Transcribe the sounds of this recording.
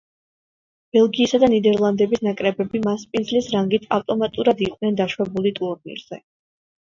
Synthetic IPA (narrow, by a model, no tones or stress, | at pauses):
b̥ɛlˠɡiːsad̪anid̪ɛɾlˠand̪ɛbisnakʼɾɛbɛbimaspʼind̪zlisɾaŋɡit̪ʰa̰ft̪ʼɔmat̪ʼuɾad̪iqʼnɛnd̪aʃwɛbulit̪ʼuɾnḭɾz̥ɛ